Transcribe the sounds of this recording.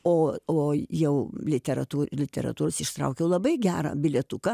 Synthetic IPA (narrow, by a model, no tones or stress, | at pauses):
oːoːjɛʊlʲɪt̪ʲɛɾɐ̰t̪uːlʲɪt̪ʲɛ̰ɾɐ̰t̪uːɾosɪʃt̪ɾɐ̰ʊkʲɛʊlˠɐbɐɪɡʲæːɾɐ̰bʲɪlʲɛt̪ʊkɐ